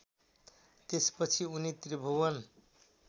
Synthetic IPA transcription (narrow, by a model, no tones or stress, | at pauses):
t̪espʌt͡sʰiunit̪ribʱowʌn